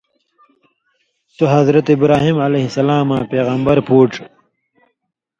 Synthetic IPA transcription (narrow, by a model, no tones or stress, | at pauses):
t̪uɦɐzɾɐt̪ibɾaːɦimʕɐleɦisɐlaːmãːpeːɣɐmbɐɾpʰuːʈ͡ʂ